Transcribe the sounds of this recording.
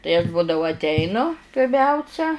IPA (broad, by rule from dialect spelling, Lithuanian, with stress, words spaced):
tɐɪ ɐʃ ˈbuːdɐʋʊ ɐtʲˈɛɪnʊ pʲɪrʲˈmʲɛʊsʲɛ